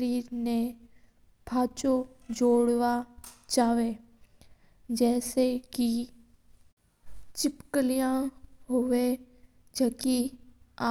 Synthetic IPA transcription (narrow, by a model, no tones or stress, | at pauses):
ɾiːɾne | bʱaːt͡ʃod͡ʒoːɽʋat͡ʃaːʋe | d͡ʒɛːseki | t͡ʃɪpkəlijãɦoʋe | d͡ʒəːkiaː